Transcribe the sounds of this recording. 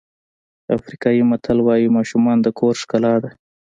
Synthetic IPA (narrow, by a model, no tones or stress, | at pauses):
a̰fɾikɑjimat̪ʰalwɑjimɑʃumɑnd̪əkʰoɾʃkalɑd̪a